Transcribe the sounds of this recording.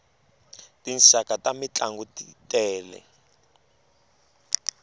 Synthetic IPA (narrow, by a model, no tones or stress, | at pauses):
tinsakatamit͡ɬaŋɡutitʼɛːlɛ̰